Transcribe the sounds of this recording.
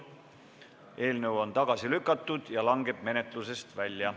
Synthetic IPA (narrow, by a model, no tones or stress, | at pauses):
e̞ːlnəwo̞nt̪ɑɡ̥ɑsilykˑːɑt̪ːˑud̪̥jɑlɑŋɡ̥e̞b̥̚me̞ne̞t̪ˑluse̞st̪vælʲjɑ